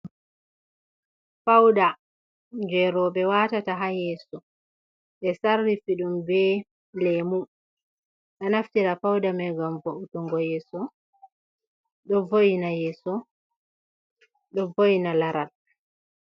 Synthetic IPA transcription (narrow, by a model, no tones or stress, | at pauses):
fawda | ɲd͡ʒɛɾɔɓɛwaːtataɦajɛsɔ | ɓɛsarːifiɗumbɛ | lɛmu | ɗanaftiɾafawdamɛɡamvoʔutuŋɡɔjɛːsɔ | ɗɔvojinajɛsɔ | ɗɔvojinalaɾal